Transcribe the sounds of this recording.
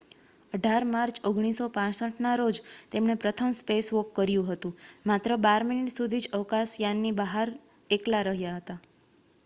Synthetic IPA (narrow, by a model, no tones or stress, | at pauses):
əɖʱaɾmaɾt͡ʃʰoɡɽ̃isopãsəʈnaɾod͡ʒt̪emɳepɾət̪ʰəmspesʋokːəɾjũɦət̪ũmat̪ɾəbaɾminiʈsud̪ʱid͡ʒəʋkãsjanːibəɦaɾ | eklaɾəɦjaɦət̪a